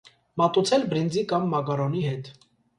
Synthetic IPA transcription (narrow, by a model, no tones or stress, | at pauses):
mɑt̪ut͡sʰɛlbɾind͡zikɑmːɑkɑɾɔniɦɛt̪